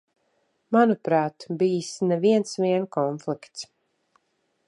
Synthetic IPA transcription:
manupɾaːt̪biːsnɛviɛnsviɛnkɔnflikt̪s

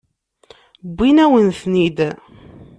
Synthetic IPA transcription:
bːinæwənθnid̪

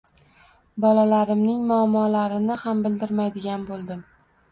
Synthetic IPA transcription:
bɒlalaɾɪmnɪŋmʊamːɒlaɾɪnɪhambɪld̪ɪɾmajd̪ɪɡʲanbolˠd̪ɪm

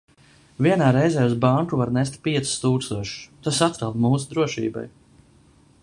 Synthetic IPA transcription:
viɛnaːɾɛjzɛːuzbaŋkuvaɾnɛs̬t̪piɛt̪si̥st̪uːkst̪uɔʃt̪asat̪ɾalwd̪muːsud̪ɾuɔʃḭːba̰j

